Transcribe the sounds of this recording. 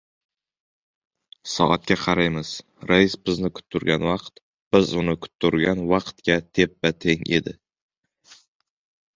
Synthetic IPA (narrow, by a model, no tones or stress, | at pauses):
sɒ̰ʔat̪̚kʲaqʰɑɾajmɪz̥ | ɾaɪsbɪznɪkʰʊ̥t̪ʰːʊɾɡʲanvɑqt̪ | b̥ɪzʊnɪkʰʊ̥t̪ʰːʊɾɡʲanvɑqt̪kʲat̪ʰe̞p̚bat̪ʰeŋʔḛd̪ɪ̰